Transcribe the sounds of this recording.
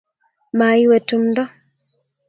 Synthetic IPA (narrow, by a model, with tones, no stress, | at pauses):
ma˨i˦wɛ˨tu˦mndɔ˦